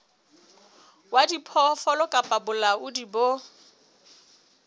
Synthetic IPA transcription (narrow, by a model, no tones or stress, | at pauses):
wadipʰɔfɔlɔkʼapʼabʊlaʊdibo